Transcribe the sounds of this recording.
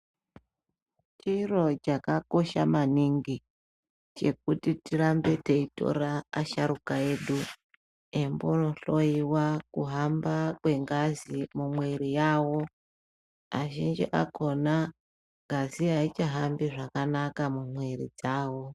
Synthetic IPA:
t͡ʃiro̞t͡ʃakako̞ʃamaniŋɡi | t͡ʃe̞k̚utitiɾambe̞te̞ito̞̰ɾaːʃaɾukae̞ɗu | embono̞ɬo̞iwakuɦambakwe̞ŋɡazimumwe̞ɾijaːwo̞ | aʒind͡ʒiʔa̰ko̞na | ɡʱaziait͡ʃaɦambiʐakanakamumwe̞ɾḭd͡zaːwo̞

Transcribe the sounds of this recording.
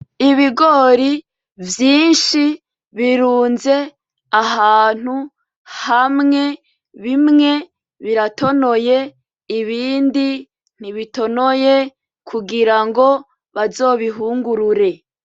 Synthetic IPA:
iβiɡoɾi | vjiːnʃi | βiɾuːnze̞ | aɦaːn̥hu | hamŋe̞ | βimŋe̞ | βiɾato̞no̞je | iβiːndi | n̥iβito̞noje | kʰuɡiɾaŋɡo̞ | βazo̞ːβiɦuːŋɡuɾuɾe̞

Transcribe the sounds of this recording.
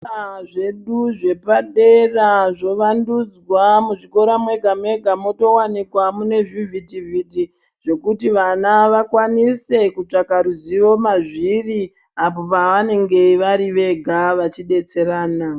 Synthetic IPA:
ʐe̞ɗuʐe̞paɗe̞raʐo̞ʋandud͡zwamuʐiko̞ɾamwe̞ɡʱamwe̞ɡʱamo̞to̞wanikwamune̞vivitivʱiti | ʐ̥o̞kutiʋanaʋakwanise̞kut͡ʂakaɾuziʋo̞maʐiri | apo̞paʋane̞ŋɡe̞ʋaɾiʋe̞ɡʱaʋat͡ʃiɗe̞t͡se̞ɾaːna

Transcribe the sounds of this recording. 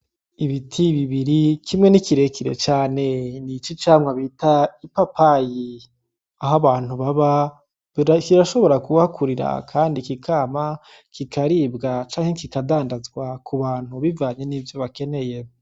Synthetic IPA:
iβitʰiβiβiɾikʰimŋe̞nikiɾe̞kiɾḛt͡ʃaːne̞nit͡ʃit͡ʃaːmŋaβitaipapʰaji | aɦaβaːn̥huβaβa | ikiɾaʃo̞βo̞ɾakuβakʰuɾiɾa̰kʰaːndikikʰaːma | kikʰaɾibɡat͡ʃaːŋhekikadaːndazɡwakʰuβaːn̥huβivaːɲe̞niːvjo̞βake̞ne̞je

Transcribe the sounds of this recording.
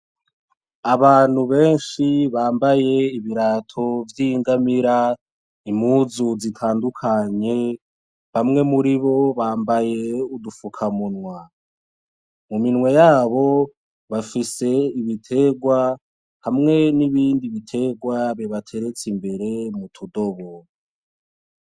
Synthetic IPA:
aβaːn̥huβe̞ːnʃiβaːmbaje̞iβiɾatʰo̞vjiŋɡamiɾa | imuzuzitʰaːndukʰaɲe̞ | βamŋe̞muɾiβo̞βaːmbaje̞udufukʰamunwa | muminŋwe̞jaːβo̞ | βafise̞iβitʰe̞ɡwa | hamŋe̞niβiːndiβitʰe̞ɡwaβeβatʰe̞ɾe̞t͡simbe̞ɾe̞mutʰudo̞βo

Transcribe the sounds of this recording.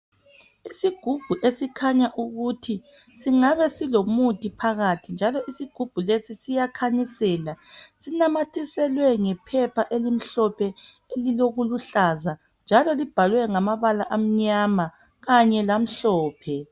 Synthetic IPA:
isiɡ̥ʱub̥ʱuʔesikʰaɲaʔuɣutʰi | siŋaβɛsilomutʼipʰaɣatʰind͡ʒʱalɔʔisiɡ̥ʱub̥ʱulesisijakʰanisɛːlasinamatʰisɛlwɛŋɛpʰɛpʰaʔelim̩ɬɔpʰɛ | eliloɣuluɬaza | nd͡ʒʱalɔlib̥ʱalwɛŋamaβalaʔam̩ɲama | ɣaɲɛlam̩ɬɔːpʰɛ

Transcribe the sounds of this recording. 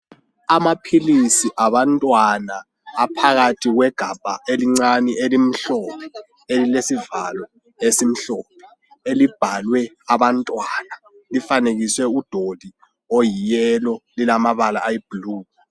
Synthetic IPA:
amapʰilisiʔaβantʼwanaː | pʰaɣatʰiɣwɛɡ̥ʱab̥ʱaʔeliŋ͡ǀaniʔelim̩ɬɔpʰɛɛ | elilesivalɔ | esim̩ɬɔpʰɛ̥ | elib̥ʱalwɛ | aβantʼwana | lifaneɣiswɛud̥ʱod̥ʱi | ojijɛlɔlilamaβalaːjib̥uluː

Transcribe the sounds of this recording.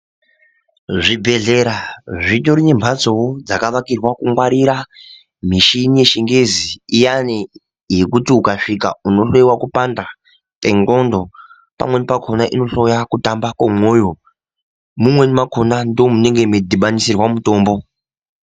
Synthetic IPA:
ʐibʱe̞ɮe̞ɾaʐitoɾiɲembʱat͡sood͡zakaʋakirwakuŋwaɾiɾa | miʃinije̞ʃiŋɡeziːjani | je̞kutiukaʂikauno̞ɬo̞iwakupanda | te̞ŋɡo̞ndo̞ | pa̰mwe̞nipakʰo̞naʔino̞ɬo̞jakutambakwomo̞ːjo | mumwe̞nimakʰo̞nando̞mune̞ŋɡe̞medʱiɓanisirwamuto̞ːmbo̞

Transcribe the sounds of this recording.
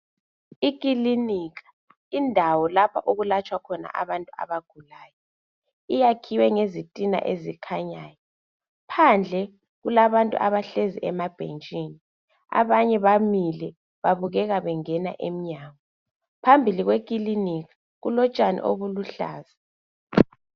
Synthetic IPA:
ikʼiliniːɣʰʼḁ | indʱawɔlapʰa̰ʔoɣulat͡ʃʼwakʰɔna̰ʔaβantʼua̰βaɡ̥ʱulaːjɔ | ijakʰiwɛŋezitʼina̰ʔezikʰaɲaːjɔ | pʰand͡ɮʱɛ | ɣulaβantʼṵʔaβaɬezḭʔɛmab̥ʱent͡ʃʼiːni | a̰βaɲɛβamilɛ | βaβuɣɛɣaβɛŋɛna̰ʔem̩ɲaːɣɔ | pʰambʱiliɣwekʼiliniɣḁ | ɣulɔt͡ʃʼanḭʔo̰βuluɬa̰ːza

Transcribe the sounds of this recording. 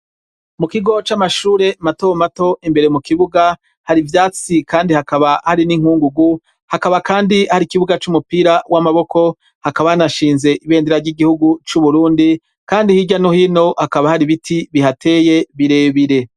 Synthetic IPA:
mukiɡo̞t͡ʃamaʃuːɾe̞matomato̞ʔimbe̞ɾemukiβuɡa | haɾivjaːt͡sikaːndihakaβahaɾiniŋ̥huːŋɡuɡu | hakaβakaːndihaɾikiβuɡat͡ʃumupiːɾawʔamaβo̞kʰo̞ | hakaβahanaʃiːnze̞ʔiβe̞ːndeɾaɾɟiɡihuɡut͡ʃuβuɾuːndi | kaːndihiɟanohino̞hakaβahaɾiβitʰiβihatʰe̞ːje̞βiɾe̞ːβiɾe̞

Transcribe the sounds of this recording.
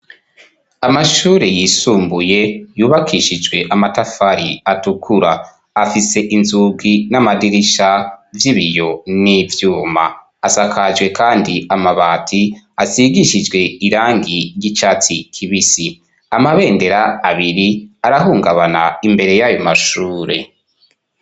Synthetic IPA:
amaʃuːɾejiːsuːmbuje̞juːβakʰiʃid͡ʒɡwe̞ʔamatafaɾiatukʰuɾaː | fise̞ʔinzuɡinamadiɾiʃavjiβijo̞nivjuːma̰ː | sakʰad͡ʒɡwe̞kʰaːndiamaβaːtʰi | asiɡiʃid͡ʒɡwe̞iɾaːŋɡiɾjit͡ʃat͡sikʰiβisi | amaβe̞ːnde̞ɾaaβiɾiaɾaɦuːŋɡaβanaimbe̞ɾe̞jajo̞maʃuːɾe̞̰

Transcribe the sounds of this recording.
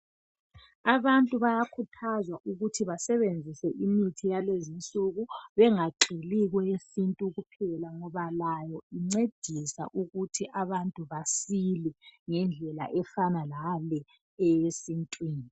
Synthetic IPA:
aβantʼuβajakʰutʰazwaʔuɣutʰiβasɛβend͡zʱisɛʔimitʰijalezint͡sʼuɣuβɛŋaǃiliɣwɛesintʼuɣupʰɛlaŋɔβalajɔiŋ͡ǀed̥ʱisa̰ʔuɣutʰiʔaβantʼuβasilɛŋɛnd͡ɮʱɛla̰ʔɛfanalalɛ | ɛjesintʼwiːni

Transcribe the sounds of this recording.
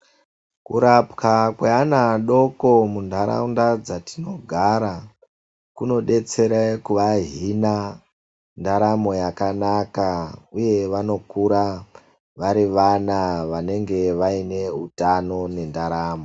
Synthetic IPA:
kuɾapkakweanaɗo̞ko̞mundʱaɾa̰undad͡zatino̞ɡʱaɾa | kuno̞ɗe̞t͡se̞ɾekuʋaɦina | ndaɾamo̞jakanakauje̞ʋano̞kuɾa | ʋaɾiʋanaʋane̞ŋɡe̞ʋaine̞ɦutano̞ne̞ndaɾaːmo̞

